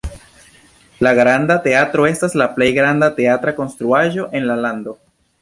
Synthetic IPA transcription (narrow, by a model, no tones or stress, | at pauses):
laɡɾandate̞atɾo̞e̞staslaple̞jɡɾandate̞atɾako̞nst̪ɾuaʒo̞ʔe̞nlalando̞